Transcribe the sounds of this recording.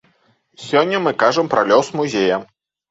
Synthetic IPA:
sʲɔnʲːɐmɨkaʐɐmpɾɐlʲɔsmuzʲejɐ

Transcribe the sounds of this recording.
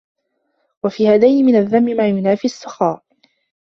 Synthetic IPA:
wafiːhaːd̪ajnɪmɪnaðːamːɪmaːjʊnaːfiːasˤːɑxaːʔ

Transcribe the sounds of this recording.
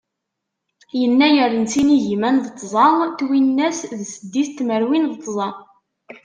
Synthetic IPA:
jənːæjəɾənt͡siniʝimænðət̪ˤːzˤɑnt̪winːæsðsəd̪ːiθt̪ːməɾwinðət̪ˤːzˤɑ

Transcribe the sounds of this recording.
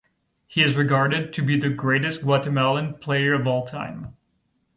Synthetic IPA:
hiɨzɹɨɡɑɹɾɨd̚tʰɨbiðɨɡɹeɪɾɨst̚ɡ̥wɑɾɨmɛlˠə̃npʰl̥eɪə˞ʌvɔlˠtʰã̰ɪ̃m

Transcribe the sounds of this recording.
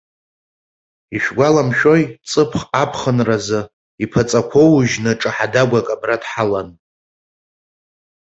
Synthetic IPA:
iʃᶣɡʷalamʃᶣo̞jt͡sʼɨpʰχapʰχənrazɨ | ipʰat͡sʼakʷʰowʒnɨʈ͡ʂʼɨħadaɡʷakʼabradħalan

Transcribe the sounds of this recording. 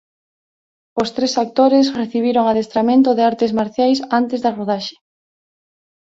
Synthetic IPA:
ost̪ɾesak̚t̪oɾesreθiβ̞iɾoŋaðest̪ɾamẽnt̪ʊðɪaɾt̪ezmaɾθjajsant̪ezðɐroðaʃe̥

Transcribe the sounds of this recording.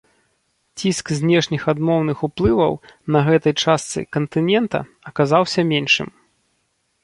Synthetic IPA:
t͡sʲiskzʲnʲɛʂnʲixad̪mɔwnɨxuplˠɨvɐ̰wnɐɣɛt̪ɐjt͡ʂast̪sɨ̰kɐnt̪ɨnʲɛnt̪ɐ̰ | ɐkazawsʲɐmʲɛnʂɨ̰m

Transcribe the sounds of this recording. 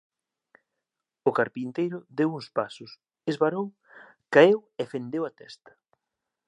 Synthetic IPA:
ʊkaɾpint̪ejɾʊðewuŋspasʊs | ezβaɾoŋ | kaewefend̪ewat̪ɛst̪ɐ̥

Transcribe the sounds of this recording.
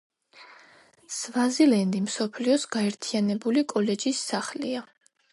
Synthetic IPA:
svazilɛnd̪imsɔpʰliɔsɡ̥aɛɾt̪ʰianɛbulikʼɔlɛd͡ʒisːaχlia

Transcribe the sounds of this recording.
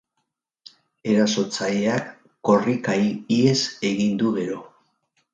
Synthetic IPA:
e̞ɾaso̞t͡saʎeakː | o̞rikajie̞se̞ɣind̪uɣe̞ɾo̞

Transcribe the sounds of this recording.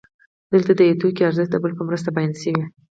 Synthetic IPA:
d̪əlt̪ad̪əjet̪ukiaɾzəʃt̪̚d̪əbəlpəmɾəst̪abajansəwi

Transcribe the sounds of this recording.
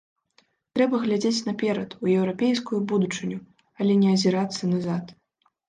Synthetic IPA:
t̪ɾɛbɐɣlʲad͡zʲet͡sʲnɐpʲɛɾɐt̪ujɛwɾapʲejskujubud̪ut͡ʂɨnʲu | ɐlʲɛnʲɛɐzʲɛɾat̪sːɐnazat̪

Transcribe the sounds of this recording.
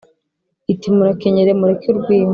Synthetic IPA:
itimuɾakeɲeɾemuɾekuɾɡwiːm

